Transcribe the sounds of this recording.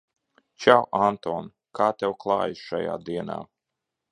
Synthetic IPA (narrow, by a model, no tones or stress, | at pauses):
t͡ʃawʔant̪ɔːn | kʰaːt̪ʲɛwklˠɑːjʃa̰ja̰ːd̪iɛna̰ː